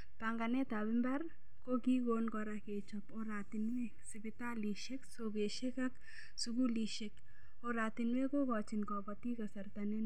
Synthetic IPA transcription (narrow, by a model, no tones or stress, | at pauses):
paŋɡɐnet̪abɪmbɐɾ | kokiɡoːnkɔɾaket͡ʃɐpoɾaːt̪inwe | sibit̪aliʃeksoɡeʃekɐk | suɡuliʃek | oɾaːt̪inwekokɔt͡ʃinkɔpɐt̪ikɐsɐɾt̪ɐne